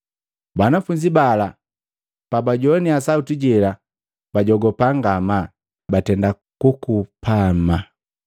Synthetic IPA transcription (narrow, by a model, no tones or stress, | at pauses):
banafuɲd͡ʒibala | pabaɟɔniasautiɟɛla | b̥aɟɔɡɔpaŋɡama | batɛnda | kukupʰama